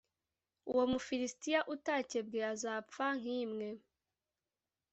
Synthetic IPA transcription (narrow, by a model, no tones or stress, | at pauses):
ṵwo̞mufiɾistijaʔutace̞bɡeazaːpp͡ffaŋ̥iːmŋe̞